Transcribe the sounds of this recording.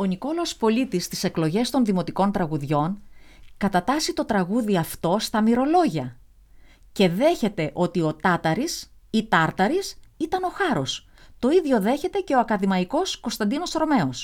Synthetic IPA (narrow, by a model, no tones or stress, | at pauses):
o̞niko̞loospo̞lit̪ist̪i̥se̞klo̞ʝe̞st̪o̞nðimo̞t̪iko̞nt̪ɾɐɣuðʝo̞nkɐt̪ɐt̪ɐsit̪o̞t̪ɾɐɣuðiɐft̪o̞st̪ɐmiɾo̞lo̞ʝɐ | ce̞ðe̞çe̞t̪e̞ʔo̞t̪io̞t̪ɐt̪ɐɾis | it̪ɐɾt̪ɐɾisit̪ɐno̞xɐɾo̞s | t̪o̞iðʝo̞ðe̞çe̞t̪e̞ce̞o̞ɐkɐðimɐiko̞sko̞st̪ɐnd̪ino̞sɾo̞me̞o̞s